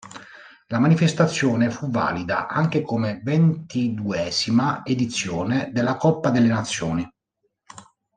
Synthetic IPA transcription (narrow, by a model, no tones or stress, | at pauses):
lamanifest̪at̪sːjɔːnefuva̰ːlid̪a̰ʔaŋkekomevent̪id̪uɛːzimaed̪it̪sːjoːned̪elːakɔpːad̪elːenat̪sːjɔːni